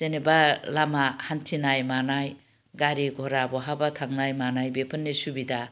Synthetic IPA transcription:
zenebalamahantʰinajmanaj | ɡaɾiɡʱɔɾabɔɦabatʰaŋnajmanajbepʰənːesubida

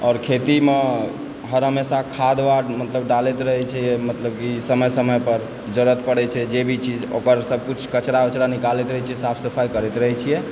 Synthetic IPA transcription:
ɔɾkʰet̪ime | ɦəɾɦəmesakʰad̪ʋaɾmət̪ləb̚ɖalɛt̪ɾəɦɛt͡ʃʰɛjɛmət̪ləb̚kisəməjsəməjpəɾ | d͡ʒəɾət̪pəɽɛt͡ʃʰɛd͡ʒebʱit͡ʃʰid͡ʒo̰kəɾsəb̚kut͡ʃʰkət͡ʃɾaət͡ʃɾanikalɛt̪ɾəɦɛt͡ʃʰijɛsapʰsəpʰajkəɾɛt̪ɾəɦɛt͡ʃʰijɛ

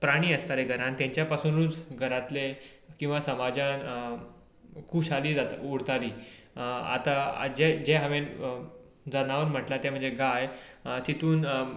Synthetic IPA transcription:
pɾaɽ̃iːəst̪aɾeɡʱəɾãnt̪jãɲt͡ɕjapasuːnuːt͡sɡʱəɾat̪lekĩw̃ʋasəmad͡ʑan | kuɕaliːd͡zat̪uɽt̪aliː | a̰t̪a̰d͡ʑed͡ʑeɦəʋẽn | d͡zanaʋəɾm̤əʈlat̪jam̤ə̃ɳd͡zeɡajt̪it̪uːn

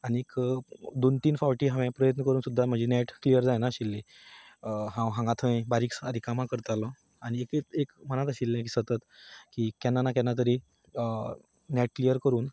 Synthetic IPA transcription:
añiekd̪ont̪iːnfaʋʈiːɦãʋẽpɾəjət̪nəkəɾuːnsud̪ʱːam̤əd͡ʑenɛʈklijəɾd͡zajnaɕilːẽ | ɦãwɦãŋɡat̪ʰəẽbaɾiːksəd̪ʱikamãkəɾt̪alɔ̃ | aɽ̃iekeekm̤əñat̪əɕilːẽkiːsət̪ət̪kiːkɛnːanakjɛ̃nːat̪əɾi | nɛʈ̚klijəɾkəɾuːn

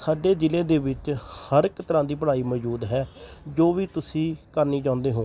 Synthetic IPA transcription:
saːɖeːd͡ʒɪlẽːd̪eːʋɪt͡ʃhəɾkt̪əɾãːd̪iːpəɽaːiːməd͡ʒuːd̪ɦɛːd͡ʒoːʋiːt̪ʊsĩːkəɾniːd͡ʒãːʊ̃nd̪eːɦõː

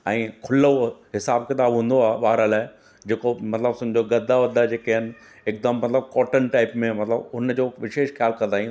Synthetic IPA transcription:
ɛ̃ːkʰʊloɦɪsaːb̚kɪt̪aːbɦũːn̆d̪oaːɓaːɦɾəlaːɦɪ | d͡ʑeːkomɐt̪ləbsʊ̃m̃ɲd͡ʑoɡɐd̪ʱːaʋɐd̪ʱad͡ʑeːkɐɦɪnɪ̆ | ɪk̚d̪əmːɐt̪ləb̚kɔːʈənʈaːɪpmẽmɐt̪ləbʊnd͡ʑoːʋɪʃeːʃxijaːlkɐ̃nd̪aːĩ

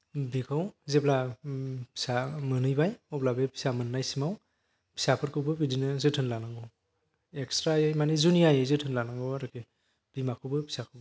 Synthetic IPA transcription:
bikʰawzepla | pʰi̥samɯnɯjbajɔblabepʰi̥samɯnːajsimaw | pʰi̥sapʰɯɾkɯwbɯpidinɯzɯtʰɯnlanɯŋɡɯw | ekstɾajɯjmanizuniajɯjzɯtʰɯnlanaŋɡɯaɾɯkʰe | b̥imakʰɯbɯpʰi̥sakʰɯb

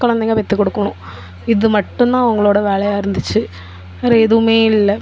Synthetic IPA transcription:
kːɐɭɐnd̪ɐŋɡɐlʋɐt̪ːikːoɽukːɐɳu | iðɨmɐʈːunːaːɐʋɐŋːɐɭoːɽeʋeːɭɐjaːiɾɐnd̪ʱit͡ɕːɨ | ɐreeðumeːillːɐ

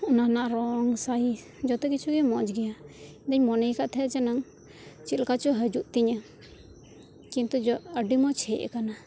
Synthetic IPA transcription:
unanaʔɾɔŋsai | d͡ʒɔt̪ɛkit͡ʃʰuɡɛmɔd͡ʒɡɛjaid̪aɲmɔnəjkaʔt̪ʰɛt͡ʃɛnaŋ | t͡ʃit̪lkat͡ʃuɦəd͡ʒuʔt̪iɲa | kint̪ud͡ʒɔəɖimɔt͡ʃʰɛʔɛ̰kana

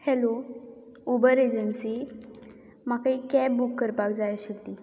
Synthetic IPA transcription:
hɛlo | ubəɾed͡ʑənsiː | makaikɛbukːəɾpakd͡zajɕekt̪i

